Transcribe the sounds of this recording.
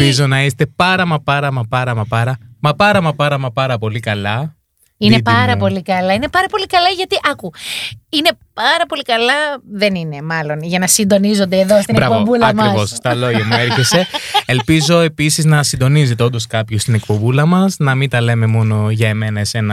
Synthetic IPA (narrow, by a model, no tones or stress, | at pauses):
izo̞nɐist̪e̞pɐɾɐmɐpɐɾɐmɐpɐɾɐmɐpɐɾɐmɐpɐɾɐmɐpɐɾɐmɐpɐɾɐpo̞likɐlɐ | innepɐɾɐpo̞likɐlɐine̞pɐɾɐpo̞likɐlɐʝɐt̪iʔɐkuine̞pɐɾɐpo̞likɐlɐðe̞nine̞mɐlo̞nʝɐnɐsind̪o̞nizo̞nd̪eːðost̪inbɾɐkpvovulɐɐmɾisvosst̪ɐlo̞ʝɐmueɾçe̞se̞elpizo̞e̞pisiznɐsind̪o̞niz̬et̪eo̞nd̪o̞skɐpçost̪inekpobulɐmɐsnɐmint̪ɐle̞me̞mo̞no̞ʝɐeme̞nɐese̞nɐ